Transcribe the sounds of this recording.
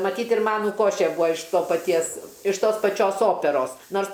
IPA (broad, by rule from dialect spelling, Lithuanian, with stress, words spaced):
mɐˈtʲiːt ɪr ˈmɑːnʊ ˈkoːʃʲeː ˈbuːɐ ɪʃ ˈtoː pɐˈtʲiɛs ɪʃ ˈtoːs pɐˈt͡ʃʲoːs ˈoːpʲɛroːs ˈnoːrs